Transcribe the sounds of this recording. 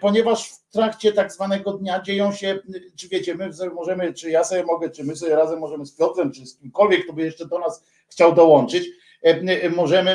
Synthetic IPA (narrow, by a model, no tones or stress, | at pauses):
pɔɲɛvaʂft̪ɾakt͡ɕɛt̪aɡzvanɛɡɔd̪ɲad͡ʑejɔ̃w̃ɕɛt͡ʂɘvʲjet͡ɕɛmɘvzmɔʐɛmɘt͡ʂɘjasɔbʲjɛmɔɡɛt͡ʂɘmɘsɔbʲɛɾazɛmːɔʐɛmɘspʲjɔd̪lɛmt͡ʂɘskʲimkɔlvʲjɛkt̪ɔbɘjɛʂt͡ʂɛd̪ɔnas | xt͡ɕawd̪ɔwɔnt͡ʂɘt͡ɕ | mɔʐɛmɘ